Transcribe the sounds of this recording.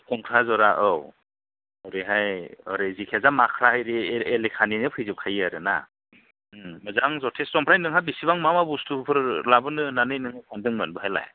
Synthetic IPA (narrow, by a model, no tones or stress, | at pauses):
kɔŋkʰɾazɔɾaʔɯw | ɔɾeɦajɔ̰ɾejzikʰezamakʰɾahajɾielekʰaninɯpʰɯjzɯp̚kʰajaɾɯna̰ | mɯzaŋzɔtʰeszɔmpʰɾajnɯŋɦabisiβaŋmamabustʰupʰɯɾlabɯnɯnanɯjnɯŋɯkʰandɯŋmɯnbɯɦajla̰j